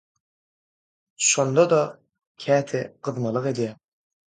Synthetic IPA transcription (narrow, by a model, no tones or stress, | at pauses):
ʃond̪od̪ɔ | kʲʰæːt̪ʰɪqɯðmɯlˠɯqed̪ijæm